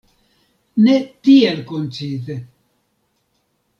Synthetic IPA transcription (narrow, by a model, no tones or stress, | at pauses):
net̪ielkont͡side